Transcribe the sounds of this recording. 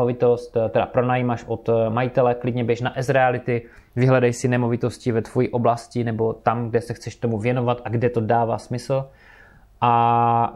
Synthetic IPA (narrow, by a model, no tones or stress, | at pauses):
ovɪt̪ost̪t̪ɛda̰pɾonajimaʃʔot̪majɪt̪ɛlɛklɪdɲɛbjɛʃnaʔɛzɾɛalɪt̪ɪ | vɪɦlɛdajsɪnɛmo̞vɪt̪o̞scɪvɛt̪v̥ojiːʔo̞blascɪnɛbo̞t̪amɡdɛsɛxt͡sɛʃt̪o̞muvjɛnovat̪ʔaɡdɛt̪o̞daːva̰ːsmɪsl̩ | ʔa